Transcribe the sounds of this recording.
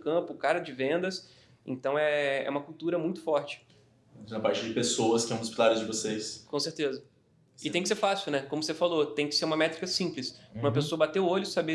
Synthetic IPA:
kɐ̃pʊkaɾɐd͡ʒɪvẽnd̪ɐs | ẽnt̪ɐ̃w̃ɛɛ̰ũmɐkult̪uɾɐmũj̃t̪ʊ̥fɔɾt͡ʃɪ̥ | nɐpaɾt͡ʃɪd͡ʒɪpesowɐskʲɪɛ̃w̃ʊspilaɾɪzd͡ʒɪvosejskõseɾt̪ezɐ | ɪt̪ẽj̃kɪseɾfasiuwnɛkõmʊsefalot̪ẽj̃kɪ̥seɾũmɐmɛt̪ɾikɐsĩplɪsũmɐpesoɐbat̪eʊoʎʊsabe

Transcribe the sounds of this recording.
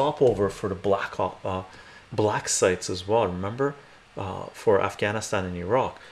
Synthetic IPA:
ɑpoʊvə˞fə˞ðəblækʰɑ | blæksaɪtsɨzwɛlˠɹɨmɛ̃mbə˞ | fə˞ʔæ̰fɡ̥æñəstæ̃nɨ̃nəɹɑk

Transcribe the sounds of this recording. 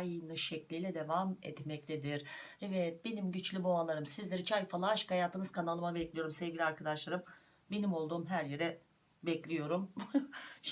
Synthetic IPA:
jɯnɯʃɛclʲijlʲɛd̪evamɛ̰t̪mɛct̪ʰɛd̪iɾ̥ɛvɛbe̞nimɟyt͡ʃlʲybo̞alˠaɾɯmsizlʲeɾit͡ʃʰajfalˠaaʃkajaːt̪ʰɯnɯz̥kʰanalˠɯmabɛclʲijo̞ɾumsɛvɡɟilʲiaɾkʰad̪aʃlˠaɾɯm | be̞nimo̞lˠd̪uːmɦæɾjeɾɛ | bɛclʲijo̞ɾum

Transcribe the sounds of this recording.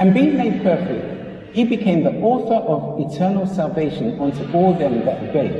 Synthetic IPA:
ɨ̃nbiɪ̃ŋmeɪd̚pʰɜˑ˞fɪk̚t | hibɨkʰẽɪ̃mðiʔɔˑθə˞ʔʌvɪtʰɜ˞nəlˠsælˠveɪʃə̃nʌ̃ntʰuʔɔːlˠðɨ̃mðətəbeɪd

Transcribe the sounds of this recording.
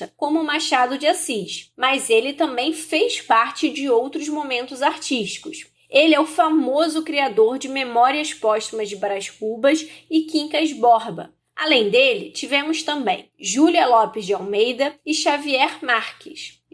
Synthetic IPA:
ɐkõmʊmaʃad̪ʊd͡ʒɪasiʃmɐzelɪt̪ɐ̃mbẽj̃fejʃpaɾt͡ʃɪd͡ʒɪowt̪ɾʊzmomẽnt̪ʊzaɾt͡ʃiʃt͡ʃi̥kʊs | elɪɛʊfamozʊkɾiad̪oɾd͡ʒɪmemɔɾiɐspɔsimɐzd͡ʒɪbɾaʃkubɐʃɪkĩŋkɐzbɔɾbɐ̰ | alẽj̃d̪elɪ̰t͡ʃivẽmʊʃt̪ɐ̃mbḛ̃j̃ʒuliɐlɔpɪzd͡ʒɪawmejd̪ɐɪʃaviɛɾmaɾkɪs

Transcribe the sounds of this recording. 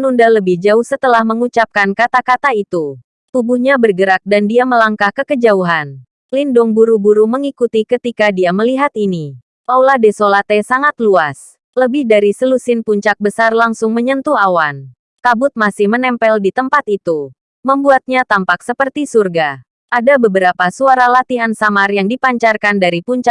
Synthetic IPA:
nundaləbɪhd͡ʒaʊhsət̪əlahməŋut͡ʃap̚kankat̪akat̪ait̪u | t̪ubuhɲabərɡəɾak̚dandiaməlaŋkahkəkəd͡ʒauɦan | lindʊŋbuɾubuɾuməŋikut̪ikət̪ikadiaməliɦat̪ini | pauladesolat̪ɛsaŋat̪luas | ləbɪhdaɾisəlusɪnpuɲt͡ʃak̚bəsarlaŋsʊŋməɲənt̪uawan | kabʊt̪̚masɪhmənɛmpɛldit̪əmpat̪it̪u | məmbuat̪̚ɲat̪ampaksəpərt̪isurɡa | ʔadabəbəɾapasuaɾalat̪iansamarjaŋdipaɲt͡ʃarkandaɾipuɲt͡ʃa

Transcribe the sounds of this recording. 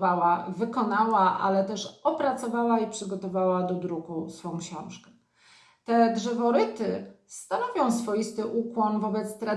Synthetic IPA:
awavɘkɔnawaʔa̰lɛt̪ɛʂɔpɾat̪sɔvawaipʂɘɡɔt̪ɔvawad̪ɔd̪ɾukusfɔ̃w̃kɕɔ̰̃w̃ʂkɛ | t̪ɛdʐɛvɔɾɘt̪ɘst̪anɔvʲjɔ̃w̃sfɔjist̪ɘʔukwɔnvɔbɛt̪st̪ɾa

